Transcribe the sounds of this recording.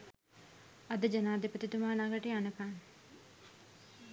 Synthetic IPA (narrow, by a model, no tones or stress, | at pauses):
ɐd̪əd͡ʒanaːd̪epət̪it̪umaːnaɡəʈeanəkaːn